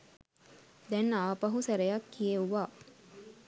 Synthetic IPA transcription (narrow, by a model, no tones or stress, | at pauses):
d̪ɛnaːpɐɦusæɾejakːijeuʋaː